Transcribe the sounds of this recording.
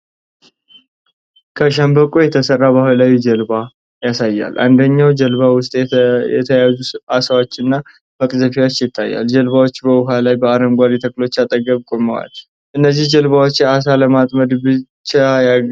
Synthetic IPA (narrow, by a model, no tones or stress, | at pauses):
kʰəʃambəkʼujɛt̪ʰəsərːabahlajd͡ʒəlba | jasajːa̰lʔa̰nd̪əɲːawd͡ʒəlβawʊst̪ʼjɛ̰t̪ʰəjazuasawot͡ʃːɪnːa | məkʼzəfiwot͡ʃːjɪt̪ʰːajːa̰ld͡ʒəlβawo̞t͡ʃːbəʊɦalajbəaɾəmɡʷaɾit̪ʰəkʼlo̞t͡ʃːat̪ʼəɡəβkʼoməwa̰l | ʔɨnːəzːihd͡ʒəlβawot͡ʃːjɛʔas̬aləmat̪ʼməd̪bɨt͡ʃːaja